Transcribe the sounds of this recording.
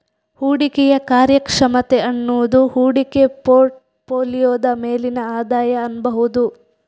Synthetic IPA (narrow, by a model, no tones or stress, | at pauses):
huːɽikɛjɐkaːɾjɐkʂɐmɐt̪eɐnːuːd̪uhuːɽikepoːʈ | poːlijoːd̪ɐme̞ːlinɐaːd̪aːjɐɐnbɐɦud̪u